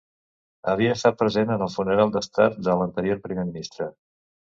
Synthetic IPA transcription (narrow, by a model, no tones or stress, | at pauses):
əβ̞iəːst̪at̪̚pɾəzenənəlˠfunəɾalˠd̪əst̪at̪̚d̪ələnt̪əɾioɾpɾimeminist̪ɾə